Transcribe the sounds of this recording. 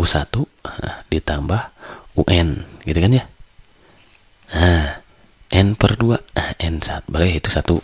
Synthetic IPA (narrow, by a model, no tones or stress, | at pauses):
usat̪uə̰hdit̪ambahuʔɛnɡit̪ukand͡ʒa | ə | ʔɛnpərduaəɛnsat̪balait̪usat̪u